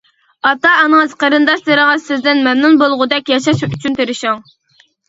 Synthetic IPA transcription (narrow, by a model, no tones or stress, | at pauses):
ɑt̪ːɑɑnɨŋɨzqʰɑɾɨnd̪ɑʃd̪eɾɪŋɨzsɪzd̪ɪnmɛmnunbolˠʁʊd̪ɛkʲjɑʃɑʃyt͡ʃʰynt̪ʰeɾɪʃɑŋ